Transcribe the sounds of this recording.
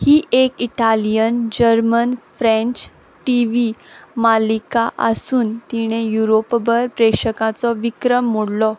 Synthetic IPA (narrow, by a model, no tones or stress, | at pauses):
hiːʔekiʈalijənd͡ʑəɾmənfɾɛ̃nt͡ɕ | ʈiʋimalikaʔə̰suːnt̪iɽ̃ejuɾopbəɾpɾekɕəkat͡sɔʋikɾəmːoɽlɔ